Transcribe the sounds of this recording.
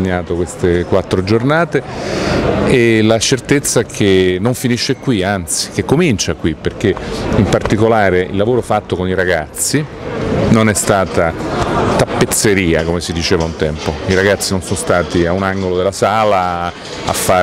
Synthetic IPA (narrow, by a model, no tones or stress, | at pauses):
ɲːaːt̪okwest̪ekwat̪ːɾod͡ʒornaːt̪e | elat͡ʃert̪et̪sːaɛkʰenːoɱfiniʃːekwiant̪si̥k̟ekːomint͡ʃakwipːerk̟eimpart̪ikolaːɾeḭlːavoːɾofat̪ːokoniɾaɡat̪sːi | nonɛst̪aːt̪at̪apːet̪sːeɾiːakomesid̪it͡ʃeːvaunt̪ɛmpoiɾaɡat̪sːinonsonost̪aːt̪iaunaŋɡolod̪elasaːla | a̰fːa